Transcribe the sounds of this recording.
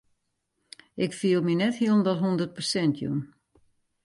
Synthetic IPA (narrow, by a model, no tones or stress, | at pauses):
ɪkfiəlˠminɛthiəlˠn̩dɔtɦundərt̚pərsɛntʰjṵn